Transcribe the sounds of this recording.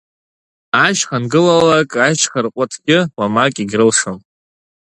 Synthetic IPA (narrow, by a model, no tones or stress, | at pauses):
aʃχanɡɨlalakʼajt͡ʃχarqʷʼʊtʰɡ̥ʲɪwamakʼiɡʲrɨlʂom